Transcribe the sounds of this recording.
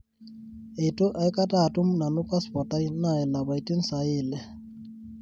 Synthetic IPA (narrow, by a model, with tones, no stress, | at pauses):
e˨tʼʊ˦ʔa˨ɪ˦kʼa˦tʼa˦˨tʼʊ˦m̩˦na˨nʊ˦kʼa˦spɔ˨tʼa˦i˦na˦˨ɛ˨la˨ba˨i˨tʼi˦n̩˦sa˨ɪː˨lɛ˨